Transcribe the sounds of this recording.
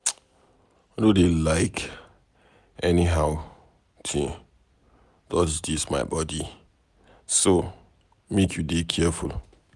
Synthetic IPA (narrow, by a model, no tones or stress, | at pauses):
anodelaɪk | ɛniɦaʊ | tʰĩ | dɔsdisma̰ɪbɔdi | so | mekʰjudekʰɛful